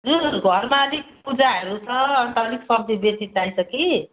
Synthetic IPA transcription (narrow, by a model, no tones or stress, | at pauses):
d͡zunɡʱʌɾmaʌlik̚pud͡zaɦʌɾut͡sʰʌʌnt̪aliksʌb̚d̪ʱibetit̪ajsʰʌki